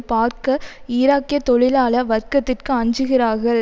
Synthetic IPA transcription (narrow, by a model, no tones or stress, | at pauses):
paːɾkɐɪɾaːkːɪjɐt̪ːɔɻɪlaːlɐʋɐɾkɐt̪ːɪrkɯɐɲd͡ʒɯɣɪɾaːɾɣɐɭ